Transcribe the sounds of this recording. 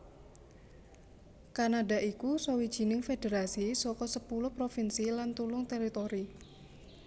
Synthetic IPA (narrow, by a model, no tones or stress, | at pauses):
kanadaʔikusowid̥ʒ̥i̤nɪŋfed̥eɾasisɔkɔsəpulʊhpɾofinsilant̪ulʊŋt̪eɾit̪oɾi